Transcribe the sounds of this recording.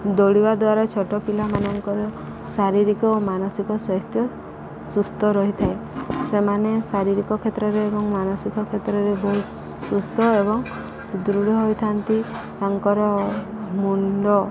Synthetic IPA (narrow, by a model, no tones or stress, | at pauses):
d̪oɽibad̪waɾɔt͡ʃʰɔʈɔpilamanɔŋkɔɾɔ | saɾiɾikɔomanɔsikɔswɔjst̪ʰjɔ | sust̪ʰɔɾɔɦit̪ʰaesemanesaɾiɾikɔkʰet̪ɾɔɾeːbɔŋmanɔsikɔkʰet̪ɾɔɾebɔɦut̪ | sust̪ʰɔebɔŋ | sud̪ɾuɽɔɦojt̪ʰant̪i | t̪aŋkɔɾɔ | muɳɖɔ